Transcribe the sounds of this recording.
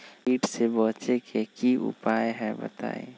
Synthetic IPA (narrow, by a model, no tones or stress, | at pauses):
iːʈsebɔːt͡ʃekʰekiʔʊ̰pajɦɛ̃bə̰t̪a̰ːḛ